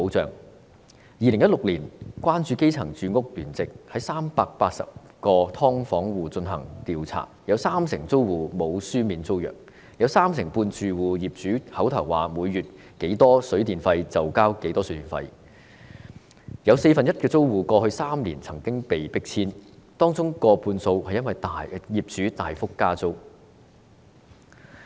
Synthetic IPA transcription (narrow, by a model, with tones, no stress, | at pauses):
po˨˥wt͡sœ̰ː˨˩ŋ | jiː˨˧lɪ˨˩ŋjɐ˥t̚lʊ˨˩k̚liː˨˩nkwaː˥nt͡ʃyː˧ke˥jt͡sʰɐ˨˩ŋt͡syː˨˧ŋʊ˥k̚lyː˨˩nt͡sɪ˨k̚hɐ˨˥jsaː˥mpaː˧k̚paː˧t̚sɐ̰˨p̚ | kɔː˧t̪ʰɔː˥ŋfɔː˨˥ŋwuː˨t͡sɵ˧nɦɐ̰˨˩ŋt̪iː˨wt͡sʰa̰ː˨˩jɐ˨˧wsaː˥msɪ˨˩ŋt͡so˥wwuː˨˩mo˨˧wsyː˥miː˨˥nt͡so˥wjœ̰ː˨˩k̚ | jɐ˨˧wsaː˥msɪ˨˩ŋpuː˧nt͡syː˨˩wuː˨jiː˨˩p̚t͡syː˨˥hɐ˨˥wt̪ʰɐ˨˩wa̰ː˨˩muː˨˧jːyː˨t̚ | ke˨˥jt̪ɔː˥sɵ˨˥ɥt̪iː˨˩nfɐ˧jt͡sɐ˨wkaː˥wke˨˥jt̪ɔː˥sɵ˨˥t̪iː˨˩nfɐ̰˧j | jɐ˨˧wse˧jfɐ˨njɐ˥t̚kɛː˧t͡so˥wwuː˨˩kɔː˧hɵ˧ɥsaː˥mliː˨˩nt͡sʰɐ˨˩ŋkɪ˥ŋpe˨jpɪ˥k̚t͡sʰiː˥nt̪ɔː˥ŋt͡sʊ˥ŋkɔː˧puː˧nso˧whɐ˨jɐ˥nwɐ˨jt̪aː˨jjiː˨p̚t͡syː˨˥t̪aː˨jfʊ˥kːaː˥t͡so˥w